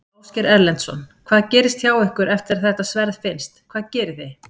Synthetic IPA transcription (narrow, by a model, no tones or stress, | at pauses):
owscɛɾɛɾlɛnt̪sɔ̰nkʰv̥aːðcɛːɾɪst̪çaːwɪhkʏɾɛft̪ɪɾaθɛht̪asvɛɾðfɪnst̪kʰvaːðcɛːɾɪθej